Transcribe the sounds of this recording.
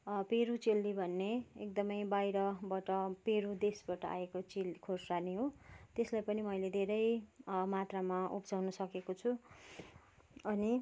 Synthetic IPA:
peɾut͡selːibʱʌnːeek̚d̪ʌmʌjbajɾʌbʌʈʌpeɾud̪esbaʈʌʔa̰ekot͡selikʰorsraniɦot̪eslajpʌnimʌjled̪ʱeɾʌjmat̪ramaupd͡zawnʌsʌkekot͡sʰu | ʌni

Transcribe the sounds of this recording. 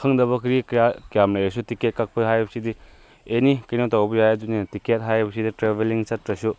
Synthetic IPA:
kʰɐŋdɐβɐkʰɾikjakjamlɐjɐsutiket̚kak̚pʰɐɦajbɐsidi | enikɐjnotawbɐjajedunitiket̚ɦajɾbɐsiditɾebeliŋt͡ʃɐtɾɐsu

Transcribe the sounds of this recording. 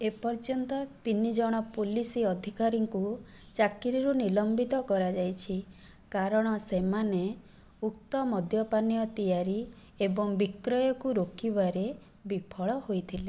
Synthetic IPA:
epɔɾd͡ʒɔnt̪ɔt̪inid͡ʒɔɽ̃ɔpulisiɔd̪ʱikaɾiŋku | t͡ʃakiɾiɾunilɔmbit̪ɔkɔɾad͡ʒajt͡ʃʰi | kaɾɔɽ̃ɔsemane | uk̚t̪ɔmɔd̪ʱjɔpanijɔt̪ijaɾi | ebɔŋbikɾɔjɔkuɾokiβaɾe | bipʰɔɭɔhojt̪ʰile

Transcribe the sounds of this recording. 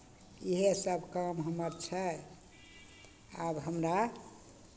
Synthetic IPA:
iɦesəbkəmɦəməɾt͡ʃʰɛ | abɦəmɾa

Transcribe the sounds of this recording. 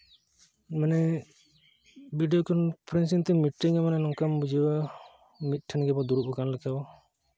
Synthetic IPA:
manɛ | biɖijɔkɔnpʰɾɛnsint̪ɛmiʈːiŋamanɛnɔŋkambud͡ʒiwa | mit̪̚ˀʈʰɛnɡɛbɔd̪uɾuʔɔkanlɛkabɔ

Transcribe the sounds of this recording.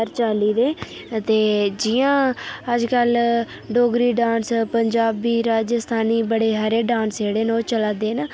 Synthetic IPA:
əɾt͡ʃaːliːd̪eː | t̪eːd͡ʒɪjãːəd͡ʒkəl | ɖoːɡɾiːɖãːnspəɲd͡ʒaːbiːɾaːd͡ʒəst̪ʰaːniːbəɽeːɦəɾeːɖãːnsd͡ʒeːɽeːnoːt͡ʃəlaːd̪eːnaː

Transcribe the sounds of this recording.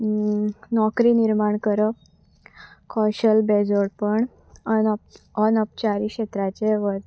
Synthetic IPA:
nɔkɾiːniɾmaɳkəɾə | kʰɔɕəlbed͡zoɽpəɳ | ənəp̚t͡ɕaɾiːkɕet̪ɾat͡ɕeʋəɾ

